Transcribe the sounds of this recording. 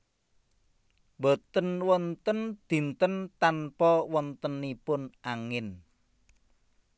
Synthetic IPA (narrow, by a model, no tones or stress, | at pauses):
mbot̪ənwɔnt̪ənd̪̥i̤nt̪ənt̪anpɔwɔnt̪ənːipʊnʔaŋɪn